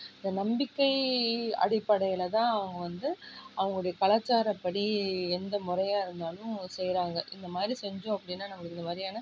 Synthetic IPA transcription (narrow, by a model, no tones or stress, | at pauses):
ɪnd̪ɐnɐmbɪkːɐɪɐ̰ɽɪpːɐɽɐjɪlɐt̪ãːɐʋɐŋɡɐʋɐnd̪ɯɐʋɐŋɡɐɭʊɽɐjɐkɐɭat͡ʃːaːɾɐpːɐɽiɛnd̪ɐmʊɾɐjaːɪɾɯnd̪aːlʊ̃sɛjɾaːŋɡɐʔɪnd̪ɐmaːd̪ɾisɛɲd͡ʒõːɐpːɐɽɪnːaːnɐmːɐɭɯɪnd̪ɐmaːd̪ɾijaːnɐ